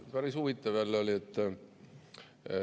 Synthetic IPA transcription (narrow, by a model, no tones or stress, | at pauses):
pæɾisuvit̪ːˑɑvælːoliet̪ː